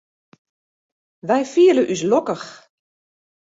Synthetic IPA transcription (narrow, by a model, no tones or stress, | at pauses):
ʋɛjfiələʔys̬lɔkəx